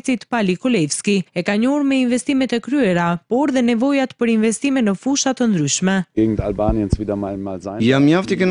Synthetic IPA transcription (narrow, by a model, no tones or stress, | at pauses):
t͡sit̪palikɔlɛfskiɛkaɲɔɾmɛinvɛst̪imɛt̪ɛkɾyɛɾapɔɾðɛnɛvɔjat̪pəɾinvɛst̪imɛnːəfuʃat̪ənd̪ɾyʃmɛɡeːɡŋ̩talbaːnjənsviːdɐmamalzajamjaft̪ikən